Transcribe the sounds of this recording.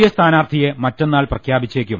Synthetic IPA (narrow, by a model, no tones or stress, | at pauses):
jɐst̪ʰaːnaːrt̪ʰije̞mɐtːe̞nːaːɭprɐkʰjaːbit͡ɕːeːkʲːum